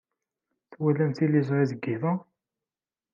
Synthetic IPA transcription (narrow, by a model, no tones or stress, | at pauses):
θwælænθilizˤʁiðəɡːiðˤɑ